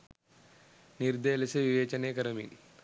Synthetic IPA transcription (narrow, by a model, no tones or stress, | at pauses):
niɾd̪eːlɐsɐʋiʋeːt͡ʃɐneːkɐɾɐmḭn